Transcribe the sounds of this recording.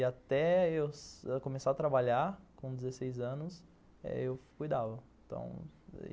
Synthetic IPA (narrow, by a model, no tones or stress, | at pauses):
ɪat̪ɛewskõmesaat̪ɾabaʎaɾkõd̪ɪzesejzɐ̃nʊs | ɛ̰ewkujd̪avɐ̃t̪ɐ̰̃w̃